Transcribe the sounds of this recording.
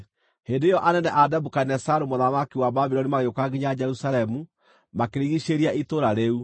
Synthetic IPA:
hendeːjɔʔanɛnɛʔadabukanɛsaɾomoðamakiwababiɾɔnimaɣeokaɡiɲaad͡ʒɛɾusaɾɛmu | makeɾiɣiʃeɾiaʔitoɾaɾeu

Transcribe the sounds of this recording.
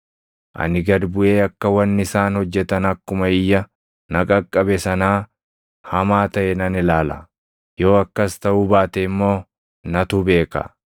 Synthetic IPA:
ʔɐ̰nɪɡɐd̪bʊʔe̞ːɐkːɐwɐnːɪsaːnhɔd͡ʒːɛt̪ɐnɐkːʊmɐɪjːɐ | nɐkʼɐkʼːɐbɛsɐnaː | hɐmaːt̪ɐʔɛnɐnɪlaːlɐ̰ | jo̞ːɐkːɐst̪ɐʔubaːt̪ɛɪmːo̞ː | nɐt̪ube̞ːkɐ̰

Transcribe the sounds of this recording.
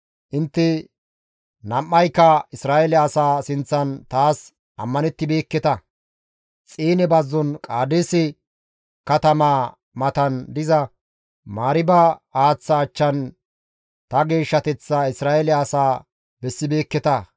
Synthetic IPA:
ʔɪnt̪ːɛ | nɐmːɐjkːɐɪsɾaːʔɛlɛɐsaːsɪnt͡sːɐnt̪aːs | ʔɐ̰mːɐnɛt̪ːɪbe̞ːkːɛt̪ɐ | t͡sʼiːnɛbɐzːɔnkʼaːd̪eːsɛ | kɐt̪ɐmaː | mɐt̪ɐnd̪ɪzɐ | maːɾɪbɐaːt͡sːɐːt͡ʃːɐn | t̪ɐɡe̞ːʃːɐt̪ɛt͡sːɐɪsɾaːɛlɛɐːsaː | bɛsːɪbe̞ːkːɛt̪ɐ

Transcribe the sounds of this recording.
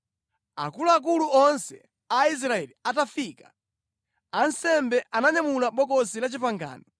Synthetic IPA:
a̰kuluak̬uluɔnsɛ | ais̬ɾaɛliatafikḁ | ansɛmbɛʔanaɲamulaɓɔkɔsilat͡ʃipaŋɡa̰ːnɔ

